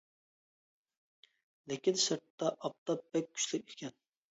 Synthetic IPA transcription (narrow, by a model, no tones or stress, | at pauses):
lɪkʲinsɨɾt̪ːɑʔɑp̚t̪ɑp̚bɛk̚ʲʰːy̥ʃlɪkʲekʲʰɛn